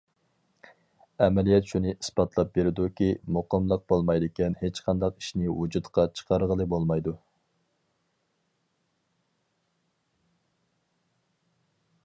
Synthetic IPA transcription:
ɛmɛlijɛt̪ʃunɨʔispɑt̪ʰlˠɑp̚beɾɪd̪ukʲimʊqəmlˠəq̚bolˠmɑjd̪ɪkʲɛnhet͡ʃqʰɑnd̪ɑqi̥ʃnɪwud͡ʒut̪qʰɑt͡ʃʰə̥qʰɑɾʁəlˠɨbolˠmɑjd̪u

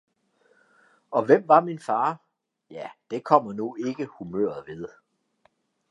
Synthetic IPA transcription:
ɒ̽ʋem̰ʋɑ̈minfɑ̈ː | jæd̥e̝kʰɒ̽m̰ɐnue̝ɡ̥əhumø̰ɐ̰ð̩ˠʋe̝ð̞ˠ

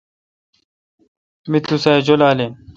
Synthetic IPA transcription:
mit̪ːusaed͡ʑolaːle

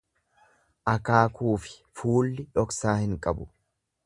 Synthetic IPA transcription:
ʔɐkaːkuːfɪ̥fuːlːɪᶑɔksaːhɪŋkʼɐbʊ

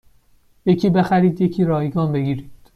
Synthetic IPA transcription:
je̞cʰiːbe̞xæɾiːd̪je̞cʰiːɾɒːjɡɒːnbe̞ɡiːɾiːd̪̥

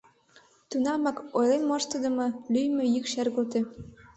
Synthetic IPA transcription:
t̪unɑmɑkojlenmɑʃt̪ɤ̆d̪ɤ̆mɤ̆lyjmø̆jykʃærɣolt̪ĕ

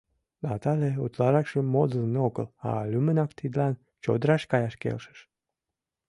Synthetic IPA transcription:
ɑt̪ɑleut̪lɑɾɑkʃəmod̪əlnoɡə̰la̰lʲymənɑkt̪id̪lɑn | t͡ʃo̰d̪ɾɑʃkɑjɑʃkḛlʃə̥ʃ

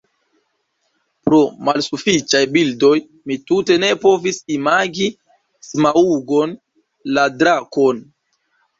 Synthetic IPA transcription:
pɾo̞malsufit͡ʃajbildo̞j | mitute̞ne̞po̞visimaɡi | smauɡo̞n | ladɾako̞n

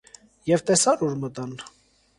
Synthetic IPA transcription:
jɛvt̪ɛsɑɾuɾmət̪ɑn

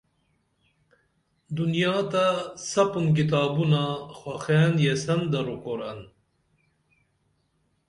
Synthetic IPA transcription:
d̪unjɑːt̪asɐpunk̬it̪̬aːbunaxwaxenjesɐnd̪ɐɾukoɾɐ̰n

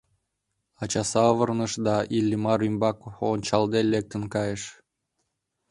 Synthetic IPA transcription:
ɑt͡ɕɑsɑvɤrnəʃd̪ɑʔilʲːimɑɾymbɑkonʲt͡ɕɑld̪elek̚t̪ənkɑjə̆ʃ

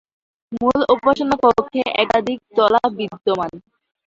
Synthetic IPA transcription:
mulupaʃonapokʰːeʔɛkad̪ʱik̚t̪ɔlabid̪ːoman

